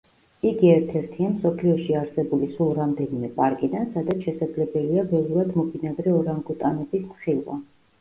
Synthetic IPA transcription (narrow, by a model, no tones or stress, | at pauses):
iɡiɛɾt̪ʰɛɾt̪ʰiamsɔpʰliɔʃiaɾsɛbulisulˠɾamd̪ɛnimɛpʼaɾkʼid̪ansad̪at̪sʰʃɛsad̪zlɛbɛliabɛlˠuɾad̪mɔbinad̪ɾɛɔɾaŋɡut̪ʼanɛbismχilˠwa̰